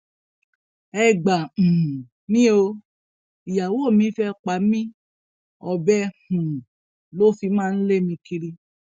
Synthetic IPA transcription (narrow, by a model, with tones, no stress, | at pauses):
ɛ˧ɡ͡bã˨ | mĩ˦o˧ | i˨ja˨wo˦˨mĩ˨˦fɛ˦k͡pa˨˦mĩ˦ | ɔ˧bɛ˦hũ˨ | lo˦fi˧mãː˦˧n̩˦le˦˨mĩ˧ki˧ɾi˦